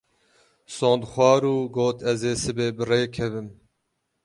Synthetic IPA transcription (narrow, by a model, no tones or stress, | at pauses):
sõːnd̪xʷɑːɾuːɡoːt̪ʰɛzeːsɨbeːbɨreːkʰɛvɨm